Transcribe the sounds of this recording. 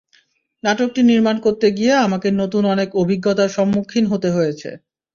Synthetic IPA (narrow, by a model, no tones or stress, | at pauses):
naʈok̚ʈiniɾmankoɾt̪eɡijeamakenot̪unɔnekobʱiɡːot̪aɾʃɔmːukʰːinɦot̪eɦojet͡ɕʰḛ